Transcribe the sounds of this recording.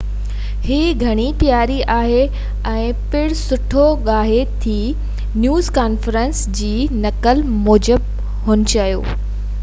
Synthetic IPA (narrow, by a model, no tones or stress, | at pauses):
hiːɡʱɐɽ̃ipjaːɾiʔaːɦe | ɛ̃ː | pɪɽsʊʈʰoɠaːɦet̪ʰiː | njuːzkaːnfɾənsd͡ʑiːnɐkəl | moːd͡ʑəb̚ | ɦʊːnɪ̆t͡ɕɐijo̰ː